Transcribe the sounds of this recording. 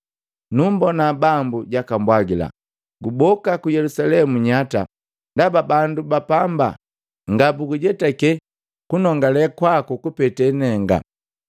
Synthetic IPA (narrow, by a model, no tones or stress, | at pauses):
numbɔnabambuɟakambwaɡila̰ | ɡubɔkakujɛlusalɛmuɲata̰ | ndababandubapamba̰ | ŋɡabuɡuɟɛtakɛ | kunɔŋɡalɛkwakukupɛtɛnɛŋɡa̰